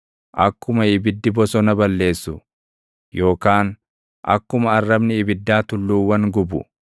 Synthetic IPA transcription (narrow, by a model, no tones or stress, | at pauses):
ʔɐkːʊmɐɪbɪd̪ːɪbɔsɔnɐbɐlːe̞ːsːʊ | jo̞ːkaːn | ʔɐ̰kːʊmɐɐrːɐbnɪɪbɪd̪ːaːt̪ʊlːuːwːɐŋɡʊbʊ